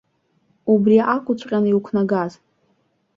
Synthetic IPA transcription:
ubriʔakʷʼʊt͡ɕʷʼqʲʼaniukʷʰnaɡaz

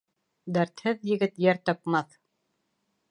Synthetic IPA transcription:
d̪æɾt̪hɘðjɘ̆ɡɘt̪jæɾt̪ɑpmɑθ

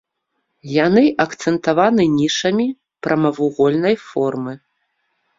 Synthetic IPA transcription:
janɨʔɐkt̪sɛnt̪avanɨnʲiʂɐmʲi | pɾʔɐmɐvuɣɔlʲnɐjfɔrmɨ

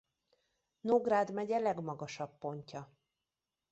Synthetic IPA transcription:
noɡraːd̪mɛɟɛlɛɡmɒɡɒʃɒpːo̞ɲcɒ

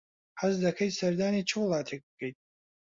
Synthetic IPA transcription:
ħazdakʰejtʼsardanit͡ʃʰɨwlaːtʰek̚ʼɡ̥ejtʼ

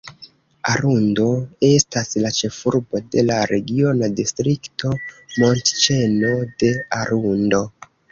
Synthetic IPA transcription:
a̰ɾundo̞e̞staslat͡ʃe̞fuɾbo̞de̞laɾe̞ɡio̞nadistɾikto̞mo̞ntt͡ʃe̞no̞de̞aɾundo̞

